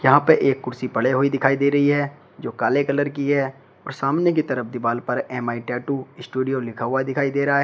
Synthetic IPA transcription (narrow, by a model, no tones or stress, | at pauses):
jɐɦãpeʔeːkːʊɾsipɐɽeɦoid̪ɪkʰaːid̪eːɾɐɦiɦɛː | d͡ʒoːkaːlekɐləɾkiɦɛː | ɔːɾsaːmnek̬it̪ɐɾəpʰd̪ɪbaːlpɐɾɛːmaːiʈɛːʈuɪsʈuːɖijolɪkʰaɦʊad̪ɪkʰaːid̪eːɾɐɦaɦɛ